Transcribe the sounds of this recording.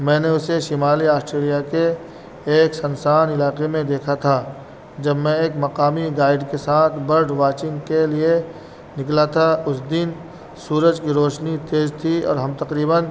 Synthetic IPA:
mɛ̃ːneʊseʃɪmaːliaːsʈɾeːlijakeː | ksɐ̃nsaːnɪlaːqemẽd̪eːkʰat̪ʰa | d͡ʒɐbmẽeːkmɐqaːmiɡaːɪɖkesaːt̪ʰbɐɾɖʋaːt͡ʃɪ̃ŋɡkelie | nɪklat̪ʰaʊsd̪ɪn | suːɾəd͡ʒkiɾoːʃnit̪eːzt̪ʰiɔ̰ːɾɦɐmt̪ɐqɾiːbən

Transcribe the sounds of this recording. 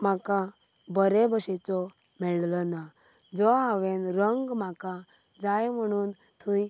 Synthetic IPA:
m̤aka | bəɾebəɕet͡sɔ | mɛɭləna | d͡zɔaʋẽnɾəŋɡmaka | d͡zajm̤əɽ̃uːn | t̪ʰuj

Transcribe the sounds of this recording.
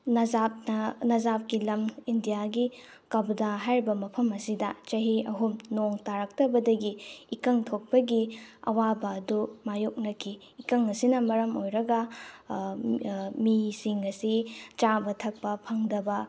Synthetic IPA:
nɐapnɐnɐzap̚kilɐmindijaɡi | kɐbdaɦajɾibɐmɐpʰɐmɐsidɐ̰t͡ʃɐɦiɐɦumnoŋtaɾɐk̚tɐbɐdɐɡiːkɐŋtʰok̚pɐɡiɐ̰wabɐːdumajok̚nɐkʰiːkɐŋɐsinɐmɐɾɐmojɾɐɡɐ | misiŋɐsit͡ʃabɐtʰɐk̚pɐpʰɐŋdɐbɐ

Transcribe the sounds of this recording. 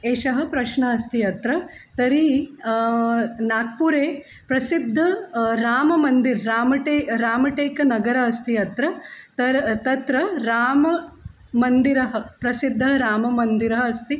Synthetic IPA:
eːʃɐɦɐ̆pɾɐʃɳɐɐst̪ʰiɐt̪ɾɐt̪ɐɾi | naːk̚puːɾeː | pɾɐsid̪ʱːɐɾaːmɐmɐnd̪iɾːaːmɐʈeːɾaːmɐʈeːkɐnɐɡɐɾɐɐst̪ʰiɐt̪ɾɐt̪ɐɾt̪ɐt̪ɾɐɾaːmɐ | mɐnd̪iɾɐɦɐ̆pɾɐsid̪ʱːɐɾaːmɐmɐnd̪iɾɐɦɐɐst̪i

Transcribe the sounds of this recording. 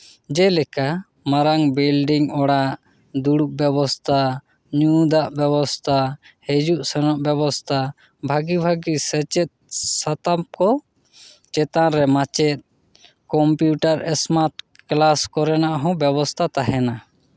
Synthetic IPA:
d͡ʒɛlɛka | maɾaŋbilɖiŋɔɽaʔ | d̪uɽuʔ̚bjɛbɔst̪ʰa | ɲud̪aʔbjɛbɔst̪ʰahɛd͡ʒuʔsɛnɔʔbɛbɔst̪ʰa | bʱaɡibʱaɡisət͡ʃɛt̪̚sat̪ap̚kɔ | t͡ʃɛt̪ãɾɛmat͡ʃɛt̪̚ | kɔmpjuʈaɾɛsmaɾʈ | klaskɔɾɛnaʔɦɔ̃bjɛbɔst̪ʰat̪aɦɛna

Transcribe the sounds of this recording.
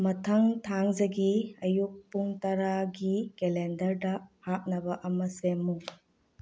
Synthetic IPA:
mɐtʰɐŋtʰaŋzɐɡiɐjuk̚puŋtɐɾaɡikelendɐɾdɐhak̚nɐbɐʔɐmɐsemu

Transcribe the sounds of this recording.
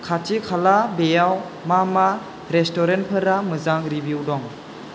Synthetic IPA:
kʰatikʰalabejaw | mama | ɾestɔɾent̚pʰɯɾamɯzaŋɾibjuwdɔŋ

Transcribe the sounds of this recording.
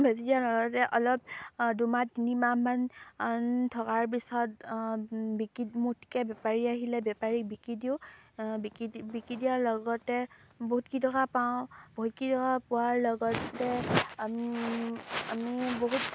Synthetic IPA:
bʱesidialɔɡɔtɛʔɔlɔp̚dumadinimamanntʰɔkaɹp̬isɔt | bikimutʰi̥kɛbɛpaɹiaɦilɛbɛpaɹik̚bikɹidiʊbikibikidiaɹlɔɡɔtɛboɦut̚kitɔkapawʊ̃boɦutkitʰɔkapʊwaɹlɔɡɔtːɛai | amiboɦut̚

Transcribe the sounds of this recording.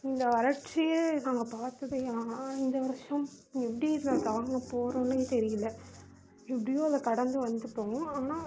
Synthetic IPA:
ɪnd̪ɐʋɐɾɐʈt͡ʃːɪjɐnaːŋɡɐpaːɾt̪ɐðɯaːnaɪnd̪ɐʋɐɾɐʂɐ̃m | ɛpːɐɽiðɯnɐɡɐʋɐŋɡɐpoːɾõːnet̪ɛɾɪjɐlɐ | ɪp̬ːɐɽɪjoːɐlɐkɐɽɐnd̪ɯʋɐnd̪ɯpːoːŋɡɐaːnaː

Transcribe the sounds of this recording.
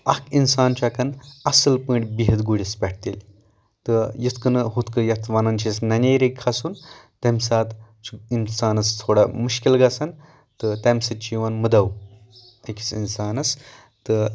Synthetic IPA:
ɐkʰinsaːnt͡ʃakɐnɐsɨlpə̃ːʈʲbiɦɐt̪ɡuɽʲispʲɛʈ̚ʰt̪ḭlʲ | t̪ɨjit̪kɐnɨɦut̪kɨjɐt̪ʰʋɐnɐnt͡ʃʰisnɐnʲejɾekʰːɐsuːnt̪ɐmʲsaːt̪t͡ʃuinsaːnɐst̪ʰoːɽamuʃkilɡɐsɐn | t̪ɨt̪ɐmsɐt͡ʃiʋɐnməd̪ɐw | eki̥t͡sḭnsaːnɐs | t̪ə

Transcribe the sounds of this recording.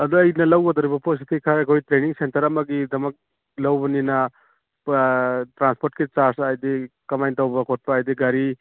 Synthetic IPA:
ɐd̪uɐjnɐlɐwɡɐd̪ɐɾibɐpos̬itʰikʰaɾɐkʰojtɾeniŋsentɐɾɐmɐɡidɐmɐk̚ | lɐwbɐninɐ | tɾanspʰoɾtkit͡ʃaɾsajdikɐmajntɐwbɐkʰot̚paːjdiɡaɾi

